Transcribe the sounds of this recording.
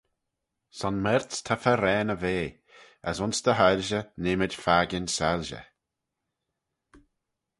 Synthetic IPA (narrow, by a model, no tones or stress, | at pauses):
sɔnmɛɾtst̪ʰafəɾɛːnəveː | ə̰sʊnsd̪əɦalʒənɪmɪdfaːɡɪnsalʒə̰